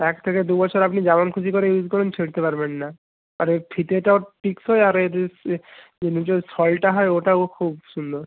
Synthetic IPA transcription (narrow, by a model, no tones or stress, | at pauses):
ɛk̚t̪ʰeked̪ubɔt͡ɕʰoɾapnid͡ʑamankʰusikoɾeuzkɔɾent͡ɕʰeɽt̪epaɾbenːa | aɾepʰit̪eʈaopiksɦɔeaɾeɾ | enid͡ʑɔjsɔlʈaɦɔeoʈaokʰubʃund̪oɾ